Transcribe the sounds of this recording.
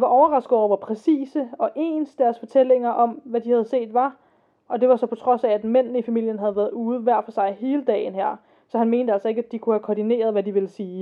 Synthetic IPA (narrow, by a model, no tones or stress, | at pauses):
ʋɑ̈ʔɒʊɐʁɑ̈sɡ̥ð̩ˠɒʊ̰ɑ̈pʰʁɛsḭːsəɒ̽ʔe̝̰ːnsd̥æɐsfɒ̽t͡sʰel̰e̝ŋɐʔɒ̽mʋæd̥ihæð̞̩ˠse̝̰ːd̥ʋɑ̈ | ʔɒ̽d̥e̝ʋɑ̈sɒ̽pʰɒ̽t͡sʰʁɒ̽sææd̥men̰nəifæmil̰jənɦæð̞ˠʋæːɐðˠuːð̞̩ˠʋæɐ̰fɒ̽sɑ̈ɪhe̝ːləd̥ɛ̰ːɪnɦæɐ̰ | sɒ̽hænme̝ːnd̥əælsɒ̽e̝ɡ̥æd̥ikʰuhækʰɒːd̥ine̝̰ːɐð̞ˠʋædiʋe̝lsiː